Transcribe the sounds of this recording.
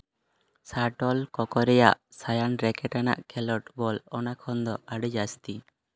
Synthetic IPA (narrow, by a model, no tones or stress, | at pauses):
saʈɔlkɔkɔɾɛjaʔsajanɾɛkɛʈana̰ʔkʰɛlɔʈbɔlɔnakʰɔnd̪ɔaɽəd͡ʒast̪i